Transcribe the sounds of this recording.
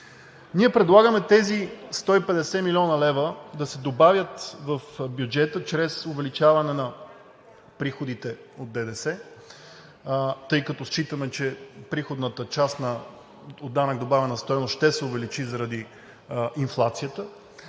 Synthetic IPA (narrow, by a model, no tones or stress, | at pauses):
niɛpɾɛd̪lˠaɡəmɛt̪ɛzist̪ɔipɛd̪ɛsɛmilʲɔnəlɛvəd̪ɐsɛd̪obavʲjət̪vɐfbjud͡ʒɛt̪ət͡ʃɾɛsʊvɛlit͡ʃavɐnɛnɐ | pɾixod̪it̪ɛ | od̪̚d̪ɛd̪ɛsɛ | t̪ɤjkɐt̪ɔst͡ʃit̪əmɛt͡ʃɛpɾixod̪nət̪ət͡ʃasnɐ | od̪ːanəɡd̪obavʲɛnɐst̪ɔjnosʃt̪ɛsɛʊvɛlit͡ʃizɐɾɐd̪i | inflˠat̪sijət̪ə